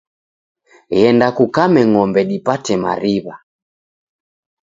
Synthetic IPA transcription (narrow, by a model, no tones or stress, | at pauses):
ɣɛndakukamɛŋɔmbɛɗipatɛma̰ɾiβa